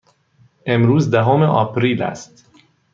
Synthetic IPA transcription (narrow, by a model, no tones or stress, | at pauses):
emɾuːzd̪æɦomeʔɒ̰ːpɾiːlæ̰st̪